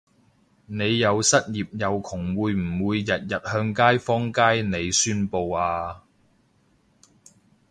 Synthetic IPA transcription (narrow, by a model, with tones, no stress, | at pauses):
ne˨˧jːɐ˨˧wsɐ˥t̚jiː˨p̚jɐ˨˧wkʰʊ˨˩ŋwuː˨˧jm̩˨˩muː˨˧jːɐ˨t̚jɐ˨t̚hœː˧ŋkaː˥jfɔː˥ŋkaː˥jne˨˧jsyː˥npo˧waː˧